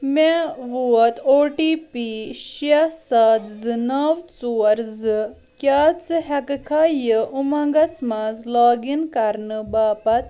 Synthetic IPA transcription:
meʋuɐt̪oːʈiːpiɕasat̪zɨnɐwt͡suɐɾzɨ | kʲjaːt͡sɨɦɐkkʰaːjəʔumɐɡɐsmazlɔːɡinkaɾnɨbaːpɐt̪̚

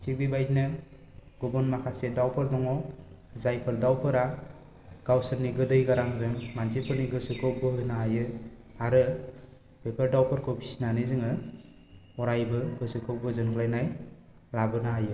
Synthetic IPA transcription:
t͡ʃibibajt̚nɯ | ɡubɔnmakʰasedawpʰɯɾdɔŋɔ | zajpʰɯɾdawpʰɯɾa | ɡ̥awsɯɾniɡɯdɯjɡaɾaŋzɯŋmansipʰɯɾniɡɯsɯkʰɯp̚bɯhɯnaajɯ | aɾɯ | b̥epʰəɾdawpʰɯɾkʰobʰisnanɯzɯŋɯ | ɔɾajbɯɡɯsɯkʰɯbɯzɯnkʰlajnaj | labɯnaajɯ

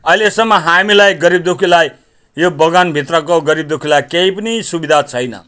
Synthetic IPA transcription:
ʌilesʌŋmːʌɦamilajɡʌɾib̚d̪ukʰilajː | obʌɡanbʱit̪rʌkoɡʌɾib̚d̪ukʰilajkejpʌnisubid̪ʱat͡sʰʌjnʌ̰

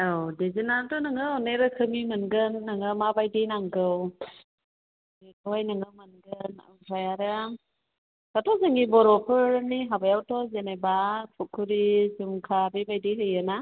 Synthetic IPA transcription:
awdezinantɔnɯŋɯɔneɾɯkʰɯmimɯnɡɯnːɯŋɯmabajdinaŋɡɯw | dekʰɔjnɯŋɯmɯnɡɯna̰ajaɾɯ | katʰɔzɯŋibɔɾɔpʰɯɾɯniɦabajawtʰɔzenebakʰukʰːuɾizumkʰabebajdiɦɯjɯna

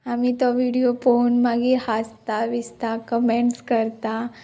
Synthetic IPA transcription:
amit̪ɔʋiɽijofonmaɡihast̪aʋist̪akəmeɳʈskəɾt̪a

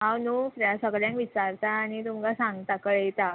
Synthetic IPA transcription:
ɦãwnufɾeasakəljãŋkʋit͡ɕaɾt̪aːnit̪umkasaŋɡt̪akəɭejt̪a

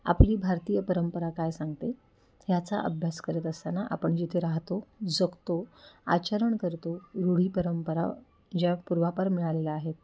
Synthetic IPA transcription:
a̰pliːbʱaɾt̪ijəpəɾəmpəɾakajsaŋɡt̪e | ɦjat͡sa̰ʔə̰bʱjaskəɾət̪əst̪anaʔa̰pəɳd͡ʑit̪ʰeɾaɦt̪od͡zəkt̪oa̰t͡ɕəɾəɳkəɾt̪oɾuɽ̤iːpəɾəmpəɾa̰ | d͡ʑjapuɾʋapəɾmiɭalelaːɦet̪̚

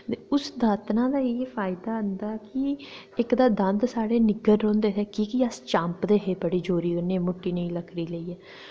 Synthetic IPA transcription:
t̪eʊsd̪aːt̪nãːd̪aːepʰaːɪd̪aːənd̪aːkɪ | ɪkd̪aːd̪ə̃nd̪saːɽeːnɪɡəɾɾõːnd̪eːteːkiːkiəst͡ʃãːmpd̪eːɦeːpəɽiːd͡ʒoːɾiːkənẽːmʊʈːiːnĩːləkʰɾiːləiːɛː

